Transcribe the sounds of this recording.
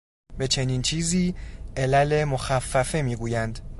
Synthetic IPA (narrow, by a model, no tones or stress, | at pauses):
be̞t͡ʃʰe̞niːnt͡ʃʰiːziːʔelæle̞moxæfːæfe̞miːɡuːjænd̪